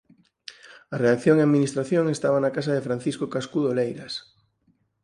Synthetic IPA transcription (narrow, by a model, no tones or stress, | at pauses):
ɐreakθjoŋeaðminist̪ɾaθjoŋest̪aβ̞anakasaðɪfɾan̟θiskokaskuðolejɾas